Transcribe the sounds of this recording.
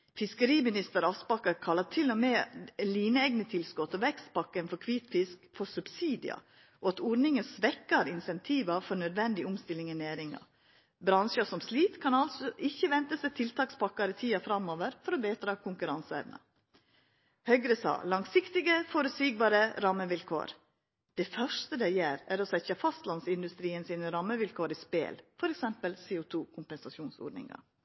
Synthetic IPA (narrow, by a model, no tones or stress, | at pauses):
fɪskəɾiːmɪnɪst̪əɾɑspɑkːɑɾkʰɑlːɑt̪ʰɪlɔmeːliːnəɛɡnət̪ʰɪlskɔt̪ɔʋɛkst̪̚pɑkːənfɔɾkʰʋiːt̪fɪskfɔsʉbsiːd̪ɪ̰ɑ̰ | ʔoɑt̪ɔɾnɪŋənsʋɛkːɑɾɪnsɛnt̪ʰiːʋɑfɔɾnœd̪ʋɛnd̪ɪʊmst̪ɪlːɪŋɛnæːɾɪŋɑ̰ | bɾɑnʃəsɔmsliːt̪kʰɑnɑlsɔʔɪçːəʋɛnt̪əsɛt̪ʰɪlt̪ʰɑːkspʰɑkːɑɾət̪ʰiːɑfɾɑmːoːʋəɾfɔɾɔbeːt̪ɾɑːkʰʊŋkʉɾɑnsəɛ̰ʋnɑ̰ | hœɡɾəsɑ̰ːlɑŋsɪkt̪ɪɡəfɔɾʉsyːɡ̚bɑːɾəɾɑmːəʋɪlkʰo̰ːɾ | d̪̥ɛfœʂt̪əd̪ɛɪjeːɾæɾɔsɛçəfɑst̪lɑnsɪnd̪ʉst̪ɾiːənsiːnəɾɑmːəʋɪlkʰoːɾispḛːlfɔɾɛksɛmpəlseːot̪ʰuːkʰʊmpɛnsɑʃuːnso̰ːɖnɪ̰ŋɑ̰